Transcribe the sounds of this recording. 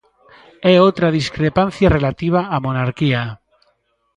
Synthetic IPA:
ɛot̪ɾaðiskɾepan̟θjarelat̪iβ̞aːmonaɾkia

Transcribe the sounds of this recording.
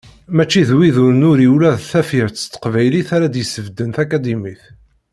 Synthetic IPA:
mæt͡ʃːiðwiðʊɾənʊɾiwlæðθæfiʕt͡sːə̥t̪ːə̥qvæjliθaɾæd̪jəsəvd̪ənθækæd̪imiθ

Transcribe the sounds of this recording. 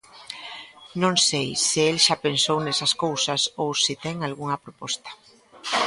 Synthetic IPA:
nõŋsejsɪelʃapensownɛsɐskowsɐsowsit̪ɛŋalɣuŋɐpɾopɔst̪ḁ

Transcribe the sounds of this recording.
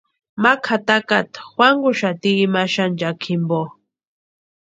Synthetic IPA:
makʰat̪akat̪xwaŋɡʊʃat̪iːmaʃand͡ʒakʰimbo

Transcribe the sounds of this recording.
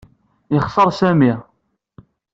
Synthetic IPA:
jəχsˤəɾˤsæmi

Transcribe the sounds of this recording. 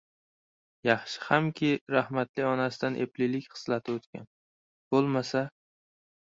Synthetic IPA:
jɑχʃɪ̥hamkʲʰɪɾahmat̪lɪɒnasɪd̪anʔeplɪlɪkʲχɨ̥slat̪ʰɪot̪kʲa̰n | b̥olˠmasa

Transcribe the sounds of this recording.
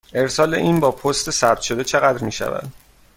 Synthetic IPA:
ʔe̞ɾsɒːle̞ʔiːnbɒːpʰost̪ʰesæb̚t̪ʃo̞d̪et͡ʃʰe̞ɣæd̪ɾmiːʃæ̰væ̰d̪̥

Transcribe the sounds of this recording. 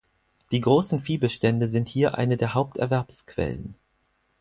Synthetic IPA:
d̥iːɡʁoːsn̩fiːbəʃtɛndəzɪnthiːɐʔa̰ɪnədeːɐɦaʊp̚tɛ̰ɐvɛɐpskv̥ɛ̰lə̰n

